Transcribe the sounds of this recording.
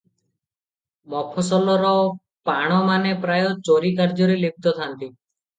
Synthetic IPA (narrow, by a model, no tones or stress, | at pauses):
mɔpʰɔsɔlɔɾɔ | paɽ̃ɔmanepɾajɔt͡ʃoɾikaɾd͡ʒɔɾelib̚ʱt̪ɔt̪ʰant̪i